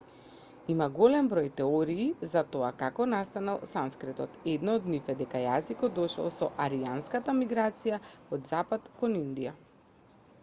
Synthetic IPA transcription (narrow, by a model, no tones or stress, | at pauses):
imaɡɔlɛmbɾojt̪ɛɔɾiːzat̪ɔakakɔnast̪analˠsanskɾɛt̪ɔt̪ɛd̪nɔod̪nifɛd̪ɛkajazikɔd̪ɔʃlˠsɔ̰ʔaɾijanskat̪amiɡɾat̪sijaod̪zapat̪kɔnind̪ija